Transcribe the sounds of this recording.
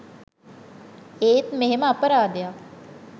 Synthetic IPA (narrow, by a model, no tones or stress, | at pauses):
eːt̪meɦɪmaːpəɾaːd̪ɪjaː